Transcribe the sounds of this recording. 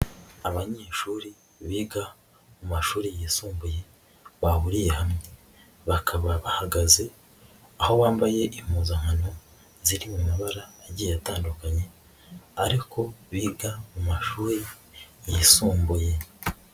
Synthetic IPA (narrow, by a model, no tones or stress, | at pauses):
aβaɲeːʃuːɾi | βiːɡa | mumaʃuːɾijisuːmbuje̞ | βaβuɾijehamɲe | βakʰaβaβahaɡaze̞ | aho̞βaːmbaje̞ʔim̥huːzaŋ̥hano̞ | ziɾimumuβaɾaːɾɟijataːndukaɲe̞ | aɾikʰo̞βiːɡamumaʃuːɾi | jisuːmbuje̞